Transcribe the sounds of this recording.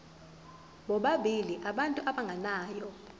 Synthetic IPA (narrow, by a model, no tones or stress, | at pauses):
ɓɔɓaɓʱiliʔaɓantʼuʔaɓaŋɡʱanaːjɔ